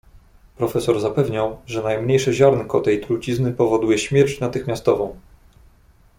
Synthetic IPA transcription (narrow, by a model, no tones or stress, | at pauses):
pɾɔfɛsɔɾzapɛvɲawʐɛnajmɲejʂɛʑaɾnkɔt̪ɛjt̪ɾut͡ɕiznɘpɔvɔd̪ujɛɕmʲjɛɾt͡ɕnat̪ɘxmʲjast̪ɔvɔ̃w̃